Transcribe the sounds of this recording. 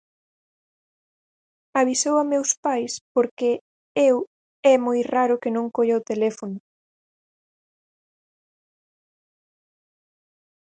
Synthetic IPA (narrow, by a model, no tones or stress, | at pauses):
aβisowamewspajspoɾke | ew | ɛmojraɾʊkɪnõŋkoʎaot̪elɛfonʊ